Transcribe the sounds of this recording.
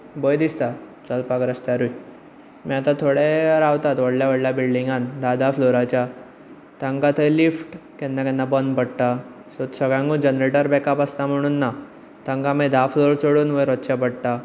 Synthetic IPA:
bəjd̪ist̪at͡səlpakɾəst̪jaɾui | miat̪at̪ʰoɽeɾawt̪at̪ʋəɽljaʋəɽljabilɖiŋɡand̪ad̪afloɾat͡ɕja | t̪aŋɡat̪ʰəjlifʈkɛ̃nːakɛnːabənd̪bəɽʈ̪a | sot̪səɡɭjãŋɡũd͡ʑənɾeʈəɾbɛkapast̪am̤əɽ̃uːnːa | t̪ãŋɡamed̪afloɾt͡soɽuːnʋəjɾət̪ːɕapəɽʈ̪a

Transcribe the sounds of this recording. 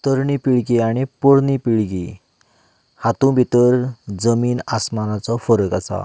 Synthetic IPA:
t̪əɾɳipiɭɡiaɽ̃ipoɽnipiɭɡḭ | hat̪ũbʱit̪əɾd͡zəmiːnasmanat͡sɔfəɾəkasa̰

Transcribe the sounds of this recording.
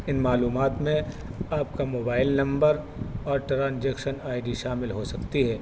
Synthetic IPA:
ɪnmaːluːmaːt̪mẽ | aːp̚kamoːbaːɪlnɐ̃mbəɾ | ɔːɾʈɾãːnd͡ʒɛːkʃənaːɪɖiʃaːmɪlɦosɐkt̪iɦɛː

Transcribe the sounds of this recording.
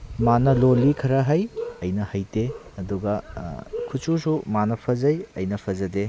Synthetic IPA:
manɐlolːikʰɐɾɐɦɐjɐjnɐhɐjteɐduɡɐkʰususumanɐpʰɐzɐjɐjnɐpʰɐzɐde

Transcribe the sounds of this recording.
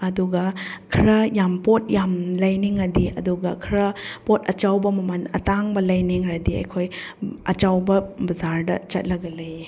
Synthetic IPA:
ɐduɡɐkʰiɾɐjampot̚jamlɐjniŋɐdiɐ̰duɡɐkʰɾɐpotɐt͡ʃawbɐmɐmɐnɐ̰taŋbɐlɐjniŋɾɐdiɐ̰jkʰojɐ̰t͡ʃawbɐbɐzaɾdɐ̰t͡ʃɐt̚lɐɡɐlej

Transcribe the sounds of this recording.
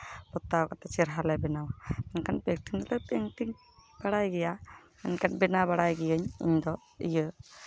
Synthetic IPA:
pɔt̪ːakat̪ɛt͡ʃiɾɦalɛbɛnawaɛnkanpɛk̚ʈiŋd̪ɔlɛpeŋt̪iŋ | baɽajɡɛja | mɛnkanbɛnabaɽajɡɛjəɲḭɲd̪ɔ | ḭjə

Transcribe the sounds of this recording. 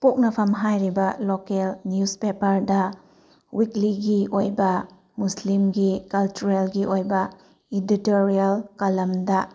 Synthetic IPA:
pok̚nɐpʰɐmɦajɾibɐlokelnjuspepɐɾdɐ | wikliɡiojbɐ | muslimɡikɐlt͡ʃuɾelɡiʔojbɐ | iditoɾialkalɐmdɐ

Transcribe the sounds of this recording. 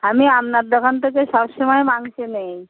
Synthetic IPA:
ɦamiamnat̪̚d̪əkənt̪əkesɔbsəmajmãŋɡt͡ɕenai

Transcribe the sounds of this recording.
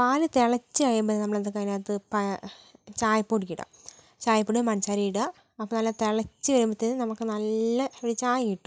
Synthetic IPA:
paːlɨt̪eɭɐt͡ɕːɨɐɻjumbɐðnɐmɐɭet̪ːɐkːɐːjaːt̪ɨpɐ | t͡ɕaːjpuːɽikːiɽa̰ | t͡ɕaːjpːuɽimɐɳt͡ɕaːɾijiɽa | ɐpːoːnɐlːɐt̪eɭɐt͡ɕːɨʋɐɾumbit̪ːenɨnɐmukːɨnɐlːɐeɽit͡ɕaːjijiʈːu̥

